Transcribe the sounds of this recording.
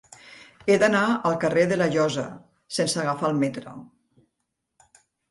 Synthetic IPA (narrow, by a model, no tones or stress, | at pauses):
ed̪anaəlˠkareðəlaʒɔza | sensaɣafalˠmet̪ɾo̰